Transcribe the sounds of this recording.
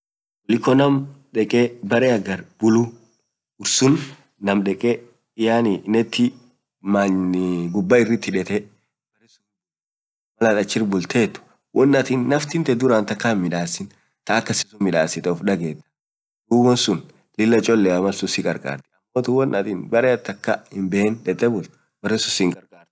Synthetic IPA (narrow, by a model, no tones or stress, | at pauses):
wɔlɪkːɔnɐmᶑɛkʼebɐɾɛɐɡɐɾb̥ʊlu | ʊɾsʊn | nɐmᶑɛkʼe | jaːnɪnɛt̪ːɪ | manɡʊbːaɪrːɪt̪ːɪᶑɛt̪ɛ | b̥ɐɾɛsu | mɐlat̪ʼɐt͡ʃːɪrbʊlt̪ʰeːt̪ːʊ̥ | wʔɔnːɐt̪inːɐft̪ɪnt̪ɛd̪ʊɾaːnt̪ɐkːanmɪᶑaːsɪn | t̪ɐːkːɐsɪ̥sʊmːɪᶑaːsɪt̪ɛɔfᶑɐɡeːt̪ːɐ̥ | d̪uːbɔnsʊn | lɪlːɐt͡ʃʼɔlːɛɐmɐlsʊsɪkʼɐɾkʼa̰ːɾt̪ɪ̥ɐmːot̪ʊwɔnʔɐt̪inbɐɾɛt̪ːɐkːahɪmbɛhɛnᶑɛt̪ːɛbʊlt̪ʊ | bɐrːɛsʊsɪŋɡʼɐɾkʼaːɾt̪ʊ̥